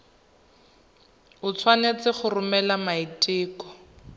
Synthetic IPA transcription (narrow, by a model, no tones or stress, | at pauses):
ʊt͡sʰwanet͡sɪχʊrʊmɛlamaitʼiːkɔ̥